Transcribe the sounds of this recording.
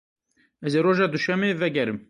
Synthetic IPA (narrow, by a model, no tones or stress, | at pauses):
ɛzeːɾoːʒɑːd̪uʃɛmeːvɛɡɛɾɨm